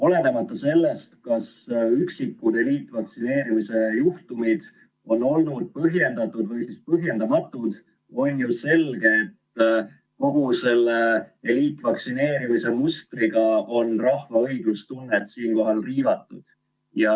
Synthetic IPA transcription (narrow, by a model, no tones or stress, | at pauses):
o̞le̞ne̞mɑt̪ˑːɑse̞lːe̞st̪kɑsyksikːud̪̥e̞liːt̪ːˑvɑksine̞ːɾimise̞juht̪umid̪̥ | o̞no̞lnud̪̥̚pɤɦje̞nd̪̥ɑt̪ːˑud̪vɤjsispɤɦje̞nd̪ɑmɑt̪ːˑud̪̥ | o̞nʲjuse̞lɡe̞ːt̪ː | ko̞ɡ̥use̞lːeeliːt̪ːˑvɑksine̞ːɾimise̞must̪riɡ̥ɑo̞nrɑhvɑɤjɡ̥lust̪unːet̪siːnko̞ɦɑlriːvɑt̪ːˑud̪̥ | jɑ